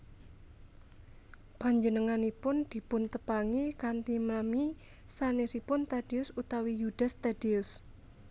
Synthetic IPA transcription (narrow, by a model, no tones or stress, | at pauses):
b̥aɲd͡ʒənəŋanipʊnd̪̥i̤pʊnt̪əpaŋikant̪imami | sanesipʊnt̪ad̥iʊsut̪awijud̥a̤st̪ad̥iʊs